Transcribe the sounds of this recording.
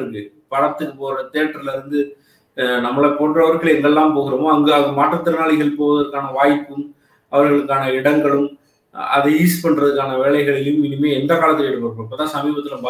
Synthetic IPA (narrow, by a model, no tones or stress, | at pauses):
ɯkːɯ | pɐɽɐt̪ːɯkːɯpoːɾɐt̪eːʈːɾɐɪlɪɾɯnd̪ɯ | nɐmːɐɭɐpoːʈrɐʋɐɾɣɐɭɛŋɡɐɛlːaːmpoːɣɪɾɐmoːɐŋɡɐɐðɐmaːʈrɐt̪ːɪɾɯnaːɭɪɣɐɭpoːʋɐðɐɾkːaːnɐʋaːjpːɯm | ɐʋɐɾɣɐɭɯkːaːnɐɪɽɐŋɡɐɭɯm | ɐ̰ðɛiːspɐɳːɾɐðɯkːaːnɐʋeːɭɐɪɣɐɭɪljɯmɪnɯmeːɛnd̪ɐkaːɭɐt̪ːɪlɛɽɯpːɐɾɯɐɪpːɐːt̪ːãːsɐmiːbɐt̪ːɪlɯmbɐ